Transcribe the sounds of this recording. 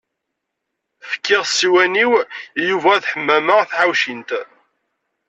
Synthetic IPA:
fə̥kːɪʁsːiwæniwjuvæθħəmːæməʁθʕawʃint̪

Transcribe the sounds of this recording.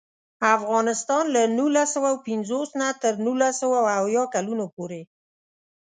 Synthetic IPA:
afɣɑnɪst̪ɑnlanulasəwawpɪnzosnat̪əɾnulasəwawawjɑkalunopoɾe

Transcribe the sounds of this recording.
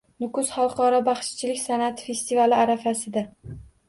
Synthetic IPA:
nʊkʊsχɑlˠqɒɾɒbaχʃt͡ʃʰɪlɪkʲsanat̪ʰfe̞st̪ivalɪaɾafasɪd̪a

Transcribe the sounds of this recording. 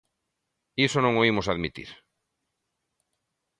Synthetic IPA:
isonõŋoimosaðmit̪ḭɾ

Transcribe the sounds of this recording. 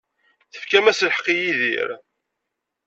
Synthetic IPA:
θə̥fkæmæslħə̥qːijiðḭɾ

